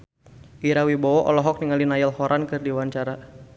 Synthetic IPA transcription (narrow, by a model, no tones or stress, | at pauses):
ʔiɾawibɔɔʔɔ̰lɔɦɔk̚niŋalinajɛlhɔɾʔankɨrdiwaɲt͡ʃaɾa